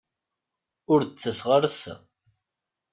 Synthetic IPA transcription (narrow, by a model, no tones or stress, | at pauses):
ʊɾt͡sːəsʁəɾsæ̰